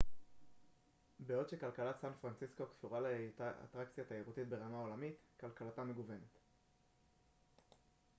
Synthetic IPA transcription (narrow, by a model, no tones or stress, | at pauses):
beo̞dʃekalkalat̪sanfʁant͡sisko̞kfuʁalaa̰t̪ʁakt͡sjataeʁutitbe̞ʁamao̞lamitkalkalatame̞ɡuve̞ne̞t̪